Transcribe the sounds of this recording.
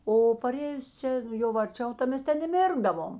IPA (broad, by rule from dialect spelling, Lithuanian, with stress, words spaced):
oː pɐˈrʲeːjʊs ˈt͡ʃʲɛ jɛʊ ɐrʲˈt͡ʃʲɛʊ tɐ ˈmʲɛs ˈtʲɛn ɪ ˈmʲɪrɡdɐʋoːm